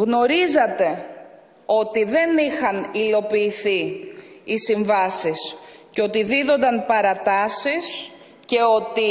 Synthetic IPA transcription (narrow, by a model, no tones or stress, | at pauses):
ɣno̞ɾizɐt̪e̞ | o̞t̪iðe̞nixɐnilo̞piːθiː | siɱvɐsisceo̞t̪iðiðo̞nd̪ɐnpɐɾɐt̪ɐsis | ce̞o̞t̪i